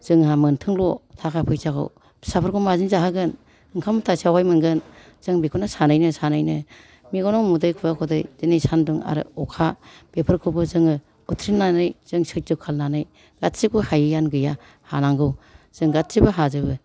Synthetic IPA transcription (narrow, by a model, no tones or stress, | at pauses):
z̥ɯŋhamɯntʰɯŋlɔtʰakʰapʰɯjsakʰɯ̰w | sapʰɯɾkʰumazinzaɦaɡɯn | ɯŋkʰamtʰasiawajmɯŋɡɯn | z̥ɯŋbikʰunasanajnɯsanajnɯ | miɡɔnɔwmudɯjkʰujakʰɔdɯjz̥ɯnijsanduŋa̰ɾɯ̰ɔkʰab̥epʰɯɾkʰɯbɯzɯŋɯ | utʰɾinːanɯjz̥ɯŋsɯzɯkʰalnanɯj | ɡ̥atsikʰuhajɯjanɡɯja | hanaŋɡɯw | z̥ɯŋɡat̚sibɯɦazɯbɯ